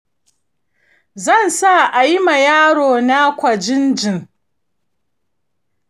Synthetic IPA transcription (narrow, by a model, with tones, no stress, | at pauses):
zɐ˦˨nsa˦˨ʔa˨ji˦ma˨jaː˦ɽoː˨na˦kʷɐ˨d͡ʒɪ˦nd͡ʒɪ˨ŋ